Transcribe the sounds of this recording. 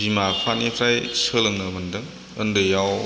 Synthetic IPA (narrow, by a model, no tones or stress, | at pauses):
bimapʰanipʰɾajsɯlɐŋnɐmɐndɯŋ | ɯndɯjaw